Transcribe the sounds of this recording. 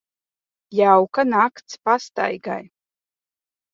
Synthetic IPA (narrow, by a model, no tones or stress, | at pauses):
jawkanakt̪spast̪a̰jɡa̰j